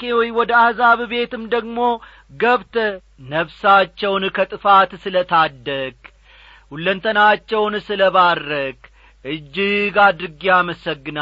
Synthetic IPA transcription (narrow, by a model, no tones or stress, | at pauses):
kewɔjwɔd̪əahzaβbe̞t̪ɨmd̪əɡmo̞ | ɡəβt̪ | nəβsat͡ʃːɛwnkʰət̪ʼɨfat̪sɨlət̪ʰad̪ːəkʼ | hulːənt̪ʰənat͡ʃːɛwnsɨləβarːək | ʔɨd͡ʒːɪɡad̪ɾɨɡiaməsəɡːɨna